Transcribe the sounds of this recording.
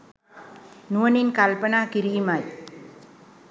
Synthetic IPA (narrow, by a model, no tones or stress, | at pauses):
nuɐninkɐlpɐnaːkɪɾijmaːj